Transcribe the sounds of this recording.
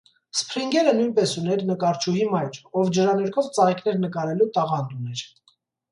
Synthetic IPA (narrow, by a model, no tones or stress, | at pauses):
spʰɾiŋɡɛɾənujnpɛsunɛɾnəkɑɾt͡ʃʰuɦimɑjɾɔvd͡ʒəɾɑnɛɾkʰɔvt͡sɑɾikʰnɛɾnəkɑɾɛlut̪ɑʁɑnt̪unɛɾ